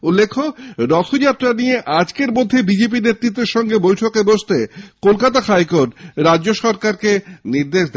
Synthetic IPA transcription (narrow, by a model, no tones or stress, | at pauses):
ulːekʰːoɾɔt̪ʰod͡ʑat̪ːɾanijeʔad͡ʑkeɾmod̪ʱːebid͡ʑep̬inet̪ːɾit̪ːeɾʃɔŋɡebojʈʰokeboʃt̪ekolkat̪ahajkoʈɾadʑoʃɔɾkaɾkeniɾd̪eʃd̪